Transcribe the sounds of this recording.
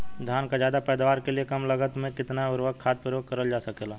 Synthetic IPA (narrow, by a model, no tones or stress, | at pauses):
d̪ʱjaːnkad͡ʒjaːd̪apɛːd̪ʋaːɾkeliekɐmlɐɡət̪mẽkɪt̪naʊɾʋəɡ̚kʰaːt̪̚pɾʊjoːɡkɐɾəld͡ʒaːsɐkeːlaː